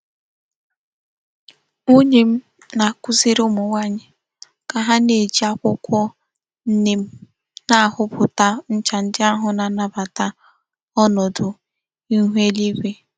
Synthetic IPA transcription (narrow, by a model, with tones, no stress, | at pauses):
u˦ɲe˨m̩˦ | na˨kʊ˦zi˦ɾʊ˦mʊ˨ŋʷa˦ɲɪ˨ | ka˨ɦa˦ne˨d͡ʒi˨˦a˦kʷʊ˦kʷɔ˦ | n̩˦ne˨m̩˦ | na˦a˨hʊ˦pʊ˨ta˦n̩˦t͡ʃa˨n̩˦dɪ˦a˦ɦʊ˨na˨na˨ba˨ta˦ | ɔ˦nɔ˨dʊ˨ | i˦ɦʷe˦li˦ɡʷe˦